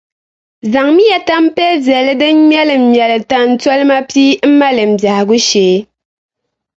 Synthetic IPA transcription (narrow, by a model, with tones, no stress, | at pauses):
za˨ŋmi˦jɛ˨ta˦m̩˦pɛ˦vɛ˨lɨ˦dɨ˦m˦ɲɛ˦lɨ˨m̩˨ɲjɛ˨lɨ˨ta˦n̩˦tɔ˦lma˦pi˦m̩˦ma˦lɨ˨m̩˨bja˨hɡu˦ʃeː˨˦